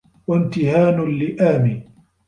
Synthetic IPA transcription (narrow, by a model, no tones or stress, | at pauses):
want̪ɪhaːnʊlɪʔaːmiː